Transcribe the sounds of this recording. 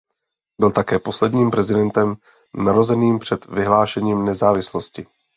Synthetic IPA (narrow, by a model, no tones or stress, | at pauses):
bɪlt̪akɛːpo̞slɛdɲiːmpɾɛzɪdɛnt̪ɛm | naɾozɛniːmpr̥ɛt̪vɪɦlaːʃɛɲiːmnɛzaːvɪsloscɪ